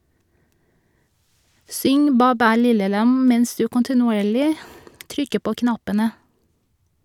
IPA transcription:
ˈsʏŋ ˈbæː ˈbæː ˈlɪlə ˈlɑm ˈmɛns ˈdʉː kɔntɪnʊˈeːɭɪ ˈtɾʏkə ˈpoː ˈknɑpənə

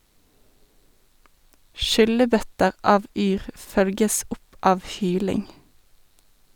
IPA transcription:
ˈʃʏləˌbœtəʁ ˈɑːʋ ˈyːʁ ˈfœlɡəs ˈʊp ˈɑːʋ ˈhyːlɪŋ

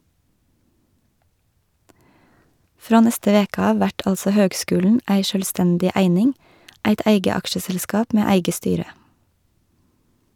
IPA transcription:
ˈfɾoː ˈnɛstə ˈʋeːkɑ ˈɑː ˈʋæʈ ˈɑlsɔ ˈhøːɡˌskʉːlɳ̩ ˈæɪ ʃœlˈstɛndɪ ˈæɪnɪŋ ˈæɪt ˈæɪɡə ˈɑkʃəsɛlˌskɑːp ˈmeː ˈæɪɡə ˈstyːɾə

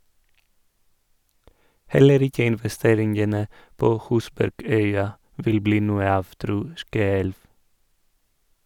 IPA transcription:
ˈhɛləɾ ˈɪkə ɪnʋɛˈsteːɾɪŋənə ˈpoː ˈhʉːsbæɾˌɡœʏɑ ˈʋɪl ˈbliː ˈnuːə ˈɑːʋ ˈtɾuː ˈskøːɛlʋ

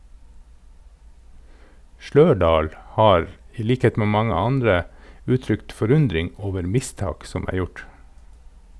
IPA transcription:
ˈʃløːɖɑːl ˈhɑːɾ ˈiː ˈliːkheːt ˈmeː ˈmɑŋə ˈɑndɾə ˈʉːˌtɾʏkt fɔˈɾʉndɾɪŋ ˈoːʋəɾ ˈmɪˌstɑːk ˈsɔm ˈæː ˈjʊʈ

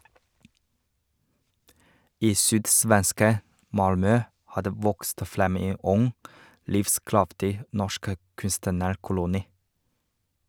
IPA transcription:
ˈiː ˈsyːdˌsʋɛnskə ˈmɑlmœ ˈhɑː ˈdeː ˈʋɔkst ˈfɾɛm ˈeː ˈʊŋ ˈlɪfˌskɾɑftɪ ˈnɔʃk ə ˈkʉnstənəɾˌkʊlʊniː

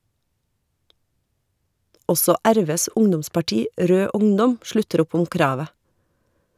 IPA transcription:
ˈɔsɔ ˈæɾˌʋeːs ˈʊŋdʊmspɑˌʈiː ˈɾøː ˈʊŋdɔm ˈʃlʉtəɾ ˈʊp ˈʊm ˈkɾɑːʋə

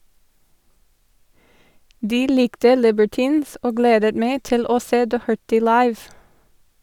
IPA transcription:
ˈdiː ˈlɪktə ˈlɪbəɹˌtiːns ˈoː ˈɡleːdət ˈmeɪ ˈtɪl ˈoː ˈseː ˈdɔhəɹtɪ ˈlɑɪʋ

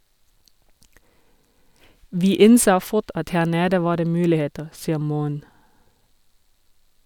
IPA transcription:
ˈʋiː ˈɪnsoː ˈfʊt ˈɑt ˈhæː ˈneːdə ˈʋɑː ˈdeː ˈmʉːlɪˌheːtəʁ ˈsiːə ˈmuːən

